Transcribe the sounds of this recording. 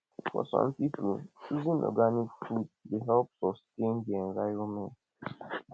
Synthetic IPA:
fɔ̰sɔ̰̃mpipuizĩnʔɔ̰ɡanikfuddeɦɛlpsɔstẽnɡɛ̃nvajomɛ̃nt

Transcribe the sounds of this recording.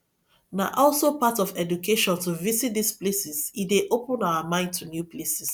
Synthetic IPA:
na̰ʔɔlsopatɔvɛd͡ʒukʰeʃɔ̃ntuvisit̚d̪isplesizideʔopə̃naʊəmãɪ̃ndtʰunjupʰlesis

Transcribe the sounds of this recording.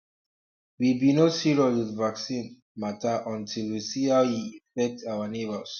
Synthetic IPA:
wibinosiɹowiðvaksĩn | mataʔɔ̃ntʰilwisihaʊjiifɛk̚tʰawanebəs

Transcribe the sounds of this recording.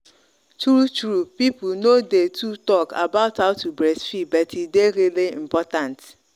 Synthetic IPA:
tɾutɾupip̩nodetʰutɔka̰baʊtʰaʊtubɾɛsfibɛtideɾileḭm̩pɔtãnt

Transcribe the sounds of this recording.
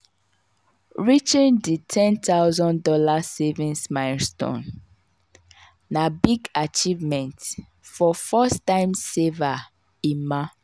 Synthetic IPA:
ɹit͡ʃĩnditʰɛ̃nt̪aʊzɔ̃ndɔlasevĩnsmaɪstɔ̰̃n | nabiɡat͡ʃivmɛ̃nt | fɔfɔstãɪ̃mseva | ĩma

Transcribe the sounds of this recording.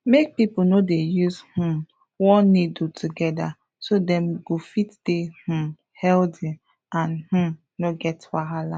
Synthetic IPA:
mek̚pipunodejuzhũ | wɔnidutʰuɡɛda | sodɛ̃mɡofitd̥eh̩ | hɛldĩ | ãnh̩ | noɡɛtwaɦala

